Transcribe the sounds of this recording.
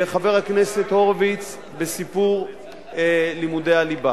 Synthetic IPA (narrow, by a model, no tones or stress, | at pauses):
χave̞ʁhakne̞sethoʁvit͡s | besipuʁ | limudejaliba